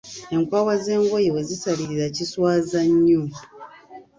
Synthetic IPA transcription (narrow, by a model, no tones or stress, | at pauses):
e̞ŋkwaːwaze̞ːŋɡwojewe̞zisaliɾiɾaciswaːzaɲːuː